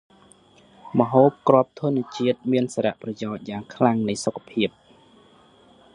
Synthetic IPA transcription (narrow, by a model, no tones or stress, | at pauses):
mə̆ɦoːp̚krŏəp̚t̪ʰŭənĭət͡ɕiət̪̚miənsaːɾa̰ʔprɑjaɔc̚jaːŋkʰlaŋnɨjsokʰːḁpʰiəp̚